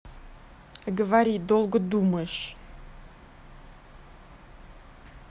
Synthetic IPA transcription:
aɡəvaɾʲid̪olˠɡd̪uməʃ

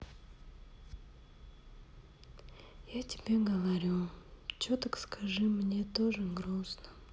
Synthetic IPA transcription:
jatʲɪ̥bʲeɡəvaɾʲut͡ɕot̪əkskʰaʐɨmnʲet̪oʐɨɡɾosnə̥

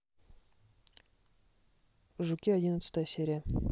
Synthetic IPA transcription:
ʒukʲiɐdʲinət̪sɨ̥t̪əjəsʲeɾʲa

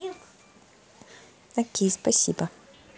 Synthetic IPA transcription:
ɐkʲejspɐsʲibɐ

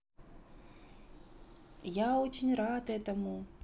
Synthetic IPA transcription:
jaɔt͡ʃinʲɾat̪ɛt̪ɐmu

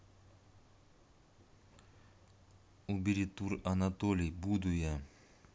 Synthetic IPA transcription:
ubiɾit̪uɾanat̪olibud̪uja

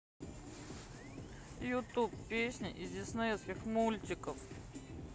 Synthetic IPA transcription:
jʊt̪uppʲːesʲnʲɪʔizʲdʲɪsnajɛskʲɪxmulʲt͡ɕɪkəf

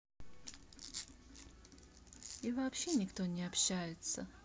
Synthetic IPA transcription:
ivɐːpɕːe̞nʲɪkt̪onʲɪɐpɕːæjɪt̪sə

